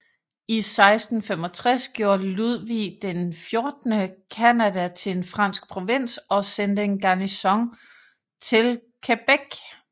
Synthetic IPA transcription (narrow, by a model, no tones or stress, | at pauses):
isɑ̈ɪsd̥n̩femɒ̽t͡sʰʁasɡ̥jo̝ːɐluðˠʋid̥enfjo̝ɐd̥nəkʰænæd̥æt͡sʰe̝enfʁɑ̈n̰sɡ̥̚pʰʁo̝ʋen̰sɒ̽send̥əe̝nɡ̥ɑ̈nisɒ̽ŋ | t͡sʰe̝l | kʰeb̥eɡ̥